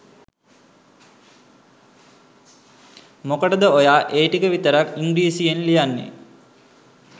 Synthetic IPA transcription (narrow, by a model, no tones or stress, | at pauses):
mokəʈəd̪əojaːʔeːʈikəʋit̪əɾakiŋɡɾiːsijenlijanːḛ